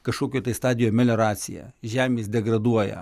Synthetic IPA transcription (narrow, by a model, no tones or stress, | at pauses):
kɐʃkoːkʲoːt̪ɐɪst̪ɑːd̪ʲɪjoːmʲɛlʲoːɾɑːt̪sʲɪjæ̰ːʒʲæːmʲeːsd̪ʲɛɡɾɐd̪uɔjɛ̰